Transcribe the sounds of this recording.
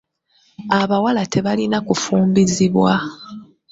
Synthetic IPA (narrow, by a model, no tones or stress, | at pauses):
aβawalatʰe̞βalinakufuːmbiziβwa